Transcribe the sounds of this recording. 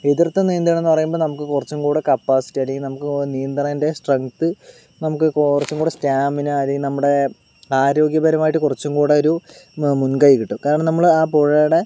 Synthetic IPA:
eðirt̪ːeniːnd̪ijɳenːɨpɐrɐjumboːnɐmukːɨkurɐt͡ɕːumkuːɽekɐpːaːsi̥tːiɐleŋɡilnɐmukːɨnijɐnd̪raːnde̞sʈrɐŋkt̪ɨ | nɐmukːɨkrɐt͡ɕːumŋɡuːɽestaːminɨɐleŋɡinɐmːuɽe̞ | aːɾo̞ːɡjɐbɐɾɐmaːjʈːɨkurɐt͡ɕːumkuːɽeo̞ɾumunkɐjikʲːiʈːumkaːɾɐɳɐnɐmːɐɭaːpoɻɐjuɽe̞

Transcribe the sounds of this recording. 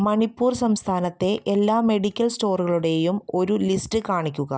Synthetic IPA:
mɐɳipːuːrsɐmst̪ʰaːnɐt̪ːe̞ʔelːaːme̞ɽikʲːɐlsto̞ːrɣɐɭuɽe̞jumo̞ɾulistɨkaːɳikʲːuɣɐ

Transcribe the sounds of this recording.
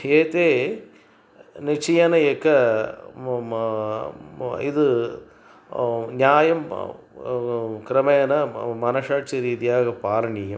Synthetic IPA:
eːt̪eː | nit͡ʃijɐnɐekːɐ | id̪u | njaːjɐm | kɾɐmɐjɐnɐmɐnɐʂaːt͡ʃiɾiːt̪ijaːɡɐpaːɾɐɳiːjɐm

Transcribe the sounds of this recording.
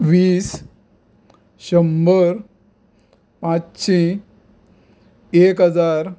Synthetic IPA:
ʋiːs | ɕəmbəɾ | pãt͡sɕʰĩ | ekɦəd͡zaɾ

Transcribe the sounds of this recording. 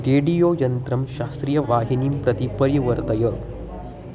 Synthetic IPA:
ɾeːɖijoːjɐnt̪ɾɐmʃaːst̪ɾijɐʋaːɦinimpɾɐt̪ipɐɾjɐʋɐɾt̪ɐjɐ

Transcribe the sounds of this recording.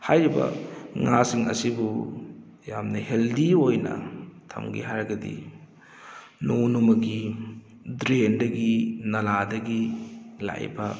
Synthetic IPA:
hajɾibɐ̰ŋasiŋɐ̰sibu | jamnɐheldiojnɐ̰tʰɐ̰mɡḭɦaɾɡɐdḭ | nonumɐɡi | dɾendɐɡinɐladɐɡila̰jbɐ

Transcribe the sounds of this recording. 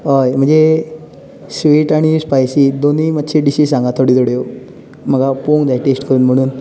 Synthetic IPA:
ɦojm̤əɳd͡ze | sʋiːʈaɽ̃ispajsiːd̪oniːmət̪ːɕʰeɖiɕiːsãŋɡat̪ʰːoɽiːt̪oɽeo | m̤əɡapoŋɡd͡zajʈesʈkəɾuːnm̤əɽ̃uːn

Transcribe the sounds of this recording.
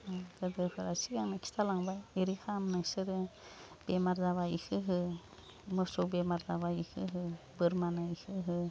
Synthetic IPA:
aɡadɯpʰɯɾasiɡaŋnakʰi̥stʰalaŋbajeɾikʰamnɯsɯɾɯ | b̥emaɾzaβaikʰɯɦɯ | mɯsɔwbemaɾzaβaikʰɯɦɯ | bɯɾmanɯikʰɯɦɯ

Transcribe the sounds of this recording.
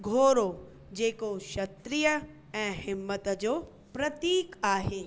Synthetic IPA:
ɡʱoːɾo | d͡ʑeːkoʃɐt̪ɾijə | ɛ̃ːhɪmːət̪d͡ʑoː | pɾɐt̪iːkaːɦeː

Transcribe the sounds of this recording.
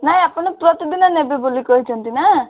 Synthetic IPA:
naĩapənɔpɾɔt̪id̪inanebebolikɔɦit͡ʃʰɔnt̪ina

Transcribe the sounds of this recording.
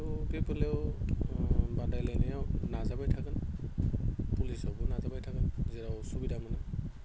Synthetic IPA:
ɡepɯlɛw | badajlajnajawnazabajtʰakɯn | pulisɔwbɔnazabajtʰakɯnzɛɾawsubidamana

